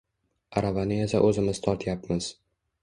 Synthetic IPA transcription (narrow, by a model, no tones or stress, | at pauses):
aɾavanɪesa̰ʔɵzɪmɪz̥t̪ʰɒɾt̪ʰjapmɪz̥